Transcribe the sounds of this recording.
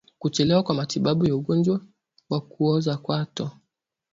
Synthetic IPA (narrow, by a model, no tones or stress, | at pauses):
kut͡ʃɛlɛwakwamatiɓaɓujauɡɔnd͡ʒwa | wakuɔzakwatɔ